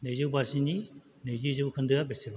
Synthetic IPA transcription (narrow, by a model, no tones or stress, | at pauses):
nejzɯwbasini | nɯjzɯzɯbkʰɯndɯabeseba